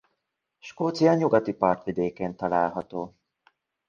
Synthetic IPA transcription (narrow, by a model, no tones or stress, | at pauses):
ʃkoːt̪sijɒɲuɡɒt̪ipɒrt̪ʋid̪eːkeːnt̪ɒlaːlɦɒt̪oː